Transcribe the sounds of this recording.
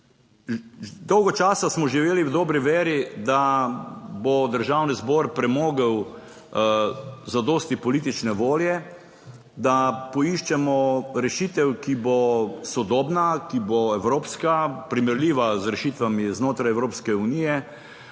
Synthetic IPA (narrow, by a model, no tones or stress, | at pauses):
d̪ɔwɡɔt͡ʃaːsasmɔʒiʋeːliwd̪ɔːbɾiʋeːɾid̪a | bɔd̪əɾʒaːwnizbɔːɾpɾɛmoːɡəw | zad̪oːst̪ipɔliːt̪̬it͡ʃnɛʋoːljɛ | d̪apɔiʃt͡ʃɛmɔɾɛʃit̪ɛwkibosɔd̪oːbnakiboɛwɾoːpskapɾimɛɾliːʋazɾɛʃit̪ʋamiznoːt̪ɾajɛwɾoːpskɛunijɛ